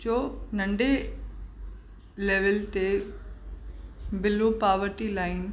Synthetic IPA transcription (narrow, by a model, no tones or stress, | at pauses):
t͡ʃoːnɐ̃ɳɖe | leːʋəlt̪e | bɪlopaːʋəɾʈilaːɪn